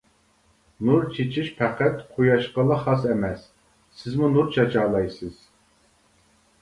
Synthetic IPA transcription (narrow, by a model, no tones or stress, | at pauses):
nuɾt͡ʃʰet͡ʃʰiʃpʰæqæt̪qʰujɑʃqəlˠɑχɑsɛmɛsː | ɪzmunuɾt͡ʃʰɑt͡ʃʰɑlˠɑjsɨz̥